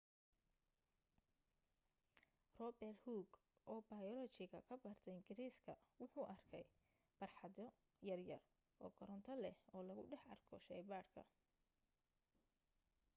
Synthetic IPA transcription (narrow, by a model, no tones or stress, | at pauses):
rɔbɛrhuːɡ | ʔɔːbɐjɔlɔt͡ʃɪɣɐkʰɐbɐrt̪ʰɛɪŋɡɪɾiːskʰɐwʊħuːʔɐrkʰɛj | b̥ɐrħɑðɔ | jɐrjɐr | ʔɔːɡɔɾɔnt̪ʰɐlɛɔːlɐɣʊɖɛħɑrkʰɔʃɛjbaːrkʰɐ̰